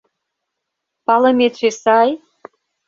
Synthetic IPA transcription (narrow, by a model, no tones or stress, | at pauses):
pɑlɤ̆mʲet̪ʃesɑj